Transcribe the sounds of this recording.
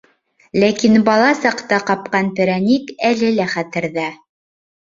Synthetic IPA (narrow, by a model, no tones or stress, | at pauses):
lækinbɑlˠɑsɑqt̪ɑqɑp̚qɑnpʲĕɾɑnʲikælɘlæχæt̪ɘ̆ɾðæ